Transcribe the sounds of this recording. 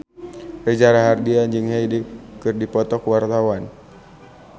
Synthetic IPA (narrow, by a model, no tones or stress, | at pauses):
rɛd͡ʒaɾaɦardiand͡ʒɨŋɦɛjdikɨrdipɔt̪ɔkuwart̪awan